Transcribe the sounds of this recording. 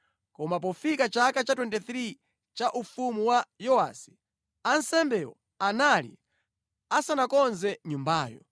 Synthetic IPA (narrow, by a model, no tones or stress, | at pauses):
kɔmap̬ɔfikat͡ʃakat͡ʃatwɛntɛθɾi | t͡ʃaʔufumuwajɔa̰si̥ | ansɛmbɛwɔ̰ | analḭ | asanakɔnzɛɲumbaːjɔ̰